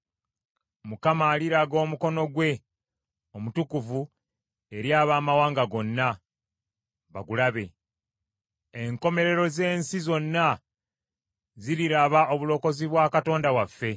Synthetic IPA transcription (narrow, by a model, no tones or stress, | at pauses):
mukamaːliɾaɡo̞ːmuko̞no̞ɡwe̞ | omutukuvu | e̞ɾjaːβaːmawaːŋɡaɡo̞nːa | βa̰ɡulaβe̞ | eŋko̞me̞ɾe̞ɾo̞ze̞ːnsizo̞nːa | ziɾiɾaβaʔo̞βulo̞ko̞ziβwaːkato̞ːndawafːe̞